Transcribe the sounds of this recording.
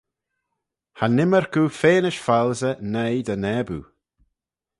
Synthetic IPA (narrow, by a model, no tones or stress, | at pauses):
hanɪməɹkuːfeːnɪʃfalzənejd̪ənɛbṵ